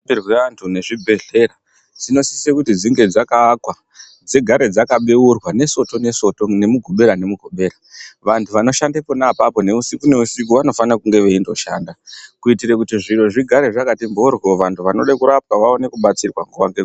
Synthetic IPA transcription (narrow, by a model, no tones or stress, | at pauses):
irweantʰune̞ʐibʱe̞ɮe̞ɾa | d͡zino̞si̥sekutid͡ziŋɡe̞d͡zakaːkwa | d͡zeɡʱaɾe̞d͡zakaɓe̞urwane̞so̞to̞ne̞sotone̞muɡʱoɓe̞ɾane̞muɡʱo̞ɓe̞ːɾaʋantʰuʋano̞ʃandeponapapo̞ne̞usikune̞usikuʋano̞fanakuŋɡe̞ʋe̞indo̞ʃa̰ːndakuitirekutiʐiro̞ʐiɡʱaɾe̞ʐakatimborwoʋantʰuʋano̞ɗakuɾap̚waʋao̞ne̞kuɓat͡sirwa̰ŋɡuʋaŋɡe